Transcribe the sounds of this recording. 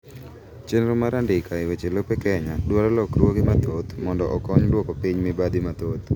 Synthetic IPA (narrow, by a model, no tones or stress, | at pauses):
t͡ʃenɾomaɾandɪkaɪwet͡ʃelopekɛɲadwaɾalɔkɾwokimat̪ot̪mɔndɔʔɔkɔɲdwɔkopiɲmɪbad̪imat̪ot̪